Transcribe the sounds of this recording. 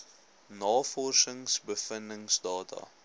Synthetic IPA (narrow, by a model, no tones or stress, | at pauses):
nɑːfɔrsəŋsbəfəndəŋsdɑːtʰɐ̰